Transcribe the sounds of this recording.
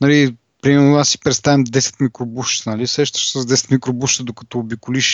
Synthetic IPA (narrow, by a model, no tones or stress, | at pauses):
nɐli | pɾimɛɾnʊasːi̥pɾɛt̪st̪avɛmd̪ɛsɛ̥t̪mikɾobuʃt̪nɐlisɾɛʃt̪ə̥ʃt̪səzd̪ɛsɛ̥t̪mikɾobuʃt̪əd̪okɐ̥t̪oːbikʊliʃ